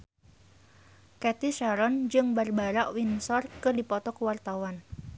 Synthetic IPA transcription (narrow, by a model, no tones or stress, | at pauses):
kɛt̪iʃaɾɔnd͡ʒɨŋbarbaɾaʔwinsɔrkɨrdipɔt̪ɔkəwart̪awan